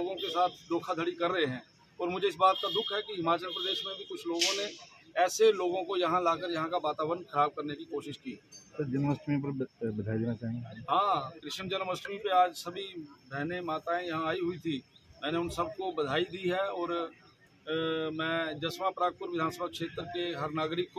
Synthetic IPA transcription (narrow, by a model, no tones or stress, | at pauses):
oːɡõkesaːt̪ʰd̪oːkʰad̪ʱəɽikɐɾːəɦeɦɛ̃ː | ɔːɾmʊd͡ʒʱeɪsbaːt̪̚kad̪ʊkʰɦɛkiɦɪmaːt͡ʃəlpɾəd̪eːʃmẽbʱikʊt͡ʃʰloːɡõne | ɛːseloːɡõkojɐɦãlaːkəɾjɐɦãkaʋaːt̪aːbɾənxəɾaːb̚kɐɾnekikoːʃɪʃkiːsəɾd͡ʒənməsʈ̪mipəɾbɐd̪ʱaːid̪eːnat͡ʃaːɦĩŋɡeɦãːkɾɪʃənd͡ʒənməst̪mipeaːd͡ʒsɐbʱibʱɛɦnemaːt̪aẽjɐɦãaːiɦʊit̪ʰimɛ̃ːneʊ̃nsɐb̚kobɐd̪ʱaːid̪iɦɛɔːɾ | mɛ̃ːd͡ʒɐsmapɾaːɡ̚pʊɾʋɪd̪ʱaːnsəbʱakʃeːt̪ɾkeɦɐɾnaːɡɾɪkːo